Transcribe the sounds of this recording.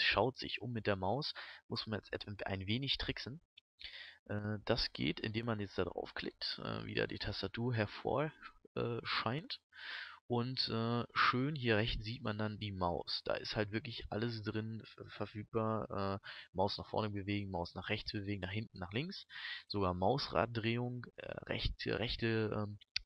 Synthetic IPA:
sʃaʊtz̥ɪ̰çʔʊ̰mːɪt̚d̥eːɐmaʊsmʊsmanjɛ̰t͡stʔɛ̰ta̰ɪnveːnɪçtʁ̥ɪksn̩ | ʔɛːd̥asɡ̥ḛːtɪ̰ndeːmːanjɛt͡std̥adʁa̰ʊfkl̥ɪk̚tʔɛ̰ːvḭːda̰ːdḭːtʰastatʰuːɐɦɛɐfo̰ːɐʔɛːʃaɪnt | ʔʊntʔɛːʃøːnhiːɐʁɛçt͡sz̥iːtmandandiːmaʊsd̥a̰ːʔɪsthaltvɪɐklɪçʔaləsd̥ʁɪnːfɛɐfyːk̚b̥aːɐʔɛːmaʊsnaːχfɔ̰ɐnəbəveːɡŋ̩maʊsnaːχʁ̥ɛçt͡sb̥əveːɡŋ̩naːχhɪntn̩naːχlɪŋsz̥oɡaːɐmaʊsʁa̰ːt̚d̥ʁeːʊŋʔɛ̰ːʁɛ̰çʁɛçtəʔɛːm

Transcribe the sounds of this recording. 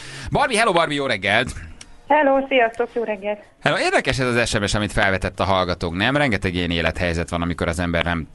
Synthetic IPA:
bɒrbiɦɛloːbɒrmijoːɾɛɡːɛlt̪ | hɛloːsijɒst̪okjoːɾɛɡːɛlt̪ | hɛloːeːrd̪ɛkɛʃɛzɒzɛʃɛmeʃɒmit̪fɛlvɛt̪ɛt̪ːɒɦɒlɡɒt̪oːknɛmrɛŋɡɛt̪ɛɡeːneːlɛt̪hɛjzɛt̪ʋɒnɒmiko̞ɾɒzɛmbɛ̰rnɛm

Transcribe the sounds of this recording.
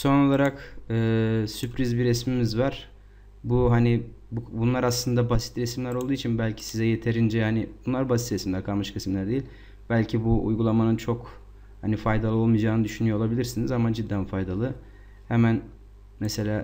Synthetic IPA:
so̞no̞lˠaɾakɯːsypʰɾizbiɾɛsmimizvaɾ̥ | buɦani | bubunlˠaɾaslˠɯnd̪abasi̥t̪ɾɛsimlʲæɾolˠd̪uːit͡ʃʰinbælʲcʰi̥sizɛje̞t̪ʰe̞ɾind͡ʒɛanibunlˠaɾbasit̪ɾɛsimlʲæɾkʰalˠmɯʃkʰɯsimlʲæɾd̪ejilʲ | bælʲcʰibuṵjɡulˠamanɯnt͡ʃʰo̞k | hanifajd̪alˠɯo̞lˠmijd͡ʒaːnɯd̪yʃynyjo̞olˠabilʲiɾsinizamad͡ʒid̪ːænfajd̪alˠɯ | hemæn | mɛse̞lʲaː

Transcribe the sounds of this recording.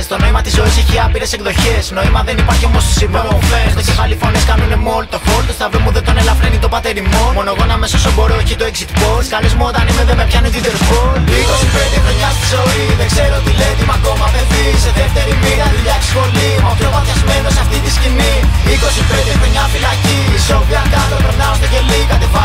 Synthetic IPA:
st̪o̞no̞imɐt̪izːo̞iseçiɐpiɾe̞sekðo̞çe̞sno̞imɐðe̞nipɐɾçiomost̪u̥sivovemecefɐlifo̞neskɐnune̞mo̞lt̪ofo̞lt̪ost̪ɐvɾimuðed̪o̞nelɐvɾenit̪o̞pɐt̪e̞ɾimo̞mo̞no̞ɣo̞nɐme̞sosobo̞ɾoçit̪oeksit̪poskɐlizmuot̪ɐnimeðemepçɐnut̪id̪eɾfunikosipeɾd̪ixɾoɲɐst̪izo̞iðeɡzeɾot̪ilet̪imɐko̞mɐveviseðeft̪eɾimiɾɐðuʎɐkssi̥spo̞liopɾomɐt̪ɐzmenosɐft̪it̪isciniiko̞siped̪ixɾoɲɐfilɐcisovɐkɐlopɾenɐost̪oʝelikɐt̪efɐ

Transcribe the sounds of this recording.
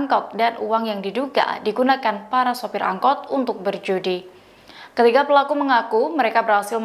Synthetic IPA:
ŋkɔt̪̚danuwaŋjaŋdiduɡa̰diɡunakanpaɾasopɪɾʔa̰ŋkɔt̪̚unt̪ʊk̚bərd͡ʒudi | kət̪ikapəlakuməŋakuməɾekabərhasɪl

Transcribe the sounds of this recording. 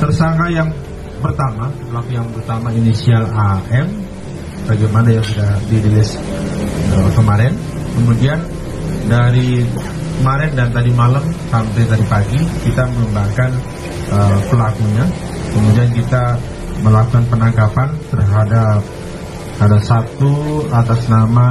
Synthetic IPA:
t̪ərsaŋajaŋ | pərt̪amapəlakujaŋpərt̪amainisialaʔɛm | baɡamanajaŋsudahdiɾilɪs | əkəmaɾɛn | kəmudian | daɾi | kəmaɾɛndant̪adimalamsampajt̪adipaɡikit̪amələmbakan | əpəlakuɲa | kəmudiankit̪a | məlakukanpənakapant̪ərɦadap̚ | adasat̪uat̪asnama

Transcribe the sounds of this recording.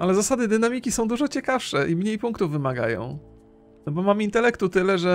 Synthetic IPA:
ʔalɛzasad̪ɘd̪ɘnamʲikʲisɔ̃w̃d̪uʐɔt͡ɕɛkafʂɛʔimɲejpuŋkt̪uvːɘmaɡa̰jɔ̰̃w̪̃ | ɔbɔmamint̪ɛlɛkt̪ut̪ɘlɛʐɛ

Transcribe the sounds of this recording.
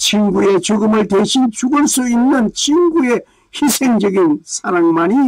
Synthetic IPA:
t͡ɕʰimɡue̞t͡ɕoɡɯmɯɭteɕʰint͡ɕuɡɯɭs͈uinːɯnt͡ɕʰiŋɡue | hisʰeŋd͡ʑʌɡinsʰaɾaŋmani

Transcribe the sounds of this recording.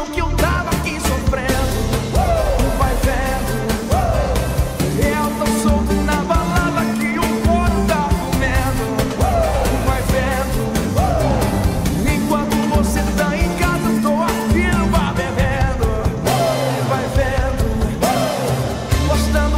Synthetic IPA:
wkɪewt̪avakisofɾẽd̪ʊ | vajved̪ʊ | eɛwnɐ̃w̃sõnɐbaladɐkiũkoɾʊd̪akumed̪ʊ | vajvẽ | d̪ʊ | ẽj̃kwɐ̃nt̪ʊvoset̪ãẽj̃kazɐʃt̪owafiɾmameɦed̪ʊ | vajved̪ʊ | boʃt̪ɐ̃d̪

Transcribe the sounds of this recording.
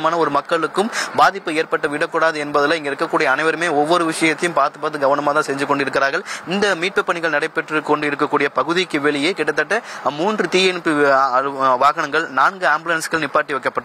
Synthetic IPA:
maːnɐɔɾɯmɐkːɐɭɯkːɯmbaːðɪpːɯeːɾpɐʈːɐʋɪɽɐkːʊɽaːðɯɛnbɐðɐlɐɛŋɡɐɪɾɯkːɐkːuːɽɪjɐːnɐɪʋɐɾɯmeːɔʋːɔɾɯʋɪʂɐjɐt̪ːɐjʊmpaːɾt̪ɯpːɐɾɐðɯɡɐʋɐnɐmaːt̪ãːsɛɲd͡ʒɯkːɔɳɖɯɪɾɯk̬ːɪɾaːɾɣɐɭɪnd̪ɐmiːʈ̚pɯpːɐɳɪɣɐɭnɐɽɐɪpːɛʈrɯkɔɳɖɯɪɾɯkːɐkːuːɽɪjɐpɐɣɯðikːɯʋɛɭɪjeːkɪɽːɐt̪̬ːɐʈːɐmuːndrɯt̪iːjɛnpːɯɐʋaːɣɐɳɐŋɡɐɭnaːnɡɯaːmblɐnsɣɐɭnɪpːaːʈːiʋɐɪkːɐpːɐʈːɯ

